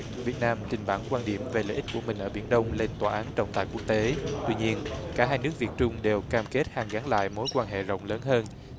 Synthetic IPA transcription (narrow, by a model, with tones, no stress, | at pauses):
vi˨˩ət̚naː˧mt͡ɕ̪ï˨˩ŋ̟ɓaː˧˩ŋkwaː˧nɗi˧˩əmve˨˩lə̰ː˧˨ʔi̟˦˥ku˧˩əmï˨˩ŋ̟ʔəː˧˩ɓi˧˩ənɗə˧wŋ͡mle˧nt̪waː˨˩ʔaː˨˦nt͡ɕə̰˧˨wŋ͡mt̪a̰ː˧˨jku˦˥ək̚t̪e˨˦t̪wi˧ɲi˧ənkaː˧˩ɦaː˧jnɨ˦˥ək̚vi˨˩t̚t͡ɕʊ˧ŋ͡mɗe˨˩wkaː˧mke˦˥t̚haː˨˩ŋɣa˨˦nla̰ː˧˨jmo˨˦jkwaː˧nɦḛ˧˨zə̰˧˨wŋ͡mləː˨˦nɦəː˧n